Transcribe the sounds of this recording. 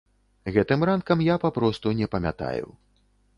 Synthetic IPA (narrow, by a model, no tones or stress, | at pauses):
ɣɛt̪ɨmɾankɐmjapapɾɔst̪unʲɛpɐmʲa̰t̪a̰jṵ